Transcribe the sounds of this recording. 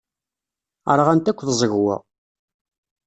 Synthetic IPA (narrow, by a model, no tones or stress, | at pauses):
əɾˤʁænt̪ækʷːðzˤəʝwæ̰